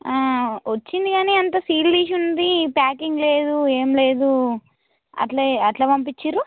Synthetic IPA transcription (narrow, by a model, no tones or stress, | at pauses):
aːʋɐt͡ʃːind̪iɡaːneːɐnt̪ɐsiːlliːʃ̬unːɐd̪ipaːkiŋɡle̞ːd̪ue̞ːmle̞ːd̪u | ɐ̰ʈleːɐʈlaːpɐmpit͡ʃːiːɾu